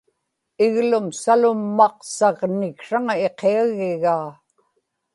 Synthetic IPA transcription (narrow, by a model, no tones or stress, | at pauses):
ɪɣlʊmsalʊmːɑqsɑʁnɪkʂaŋae̞qeaɣɪɣaː